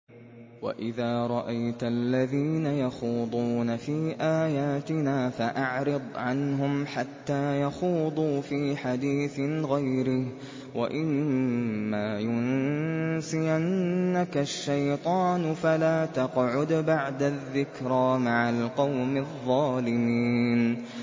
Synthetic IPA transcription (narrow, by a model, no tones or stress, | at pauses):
wa̰ʔɪðaːɾˤɑʔajt̪alːaðiːnajaxuːd̪ˤuːnafiːʔaːjaːt̪ɪnaːfaʔaʕɾɨd̪ˤʕanɦʊmħat̪ːaːjaxuːd̪ˤuːfiːħad̪iːθɪɣajɾɪh | wa̰ʔɪmː | aːjʊn | sɪjanːakaʃːajt̪ˤɑːnfalaːt̪ɑqʕʊd̪baʕd̪aðːɪkɾaːmaʕalqɑwmɪðˤːɑːlɪmiːn